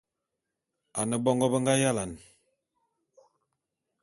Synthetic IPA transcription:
a˨nə˨bɔ˦ŋɡɔ˦bə˦ŋɡa˦ja˦la˨n

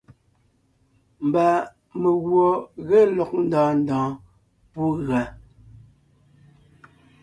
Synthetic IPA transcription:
m̩˨ba˨ | me˨ɣwɔ˨ɣe˦lɔ˨k̚n̩˦dɔ̃ː˨˦n̩˦dɔ̃ː˨˦ | pu˦ɣa˨

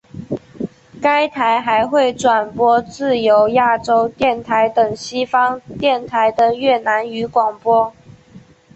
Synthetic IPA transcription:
ka˥ɪt̪ʰa˧˥ɪxa˧˥ɪxwe˥˩ɪʈ͡ʂwa˨˩npwɔ˥t͡sɹ̩˥˩jo˧˥ʊja˥˩ʈ͡ʂo˥ʊt̪jɛ˥˩nt̪ʰa˧˥ɪt̪ə˨˩ŋɕi˥fɑ˥ŋt̪jɛ˥˩nt̪ʰa˧˦˥ɪd̪ə˧ɥɛ˥˩na˧˥ny˧˥kwɑ˨˩ŋpwɔ˥

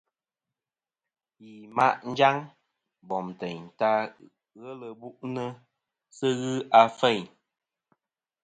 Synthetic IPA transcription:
ji˨ma˦ʔn̩˦d͡ʒa˦ŋ | bɔ˨mtɛ˨ɲta˦ | ɣə˦lə˨bu˦ʔnə˦ | sə˦ɣɨ˦a˨fɛ˦˨ɲ

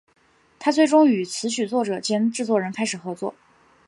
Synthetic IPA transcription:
t̪ʰa˥t͡swe˥˩ɪʈ͡ʂʊ˥ŋy˨˩t͡sʰɹ̩˧˥ɕy˨˩t͡swɔ˥˩ʈ͡ʂɤ˨˩t͡ɕjɛ˥nʈ͡ʂɻ̩˥˧t͡swɔ˥˩ɻə˧˥nkʰa˥ɪʂɻ̩˨˩xɤ˧˥t͡swɔ̰˥˩

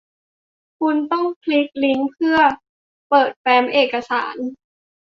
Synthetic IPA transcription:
kʰu˧nt̪ɔ˥˩ŋpʰli˦˥k̚li˦˥ŋpʰɯ˥˩ɐ | pɤː˨˩t̪̚pɛː˨˧˥mʔeː˨˩kːa˧sa̰ː˩˦n

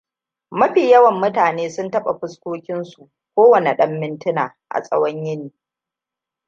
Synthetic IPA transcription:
mɐ˦ɸiː˨jɐ˦wɐ˨mːʊ˦taː˨neː˦sʊ˦ntɐ˦ɓa˨ɸʊ˦skʷoː˦kʲɪ˦nsu˨ʔ | kʷoː˦wɐ˨ne˨ɗɐ˦mːɪ˦ntɪ˦na̰ː˨ʔa̰˨sʼɐ̰˦wɐ˦ɲjɪ˦niː˨

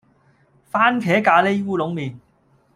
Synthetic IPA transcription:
faː˥nkʰɛː˨˥kaː˨˧le˥jwuː˥lʊ˨˥ŋmiː˨˩n

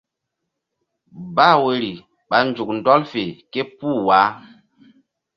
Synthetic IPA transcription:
ba˦˨we˨ɾi˨ | ɓa˨nd͡ʒu˨k̚n˨dɔ˦lfe˨ke˦puː˦˨wa˨˦

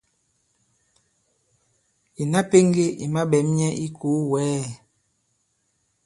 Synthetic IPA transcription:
i˨na˦pe˦ŋɡe˦ḭ˨ma˦ɓɛ˨˦mɲɛ˦ʔi˦ko˨˦wɛː˨˦˨

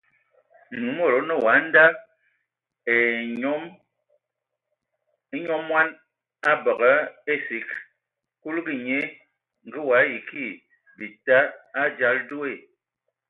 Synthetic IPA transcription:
nu˨˦mɔ˦˨ɾɔ˨˦nɔ˦˨wa˨˦n˦da˦ | e˨˦m˦ | ɲɔ˦mːwa˦n | a˦bɔ˨kə˦e˦si˨˦k | ku˦lɡi˨ɲe˦ | ŋ̩˨ɡi˦wa˨˦ji˨ki˦˨ | bi˨ta˦a˦d͡ʒa˦ldo˦e˦˨

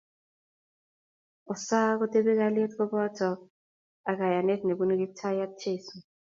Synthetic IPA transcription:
ɔ˨sa˦k̬ɔ˦tʼe˦ɓɛ˦k̬a˦le˦tkɔ˦ɓɔ˦tʰɔ˨ | a˨k̬a˨ja˨ne˦tne˨ku˦ni˦k̬i˦tʰa˦ja˦tʰeː˦sɔ˨

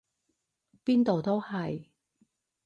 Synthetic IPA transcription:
piː˥nt̪o˨wt̪o˥whɐ˨j

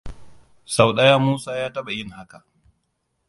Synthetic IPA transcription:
sa˨wɗɐ˦jaː˦muː˦saː˦jaː˦tɐ˦ɓa˨jɪ˦ŋha˦ka˨ʔ

